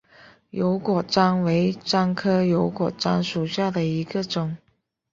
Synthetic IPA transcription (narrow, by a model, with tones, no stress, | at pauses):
jo˧˥ʊkwɔ˨˩ʈ͡ʂɑ˥ŋwe˧˥ɪʈ͡ʂɑ˥ŋkʰɤ˥jo˧˥ʊkwɔ˨˩ʈ͡ʂɑ̰˥ŋʂu˨˩ɕja˥˩d̪ə˩i˧˥ɡə˧ʈ͡ʂʊ˨˩˦ŋ